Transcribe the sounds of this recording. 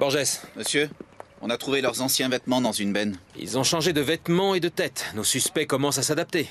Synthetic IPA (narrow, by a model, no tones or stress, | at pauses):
b̥ɔʁʒɛsməsjøɔ̰̃nat̪χuvelœʁzɑ̃sjɛ̃vɛt̪mɑ̃d̪ɑ̃zynbɛnḭlzɔ̃ʃɑ̃ʒed̪əvɛt̪mɑ̃ed̪ət̪ɛt̪nosyspɛkɔmɑ̃sasad̪ap̚t̪e